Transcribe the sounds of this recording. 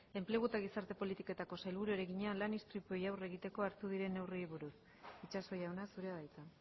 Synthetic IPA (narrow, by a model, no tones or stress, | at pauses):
e̞mple̞ɣut̪aɣ̞isaɾt̪e̞po̞lit̪ike̞t̪ako̞sajlβuɾue̞ɾeɣiɲealanist̪ɾit̪uojawre̞ɣit̪e̞ko̞aɾt̪uðiɾe̞nːe̞wriβuɾus | it͡ʃaso̞jawnasuɾe̞aðajt͡sa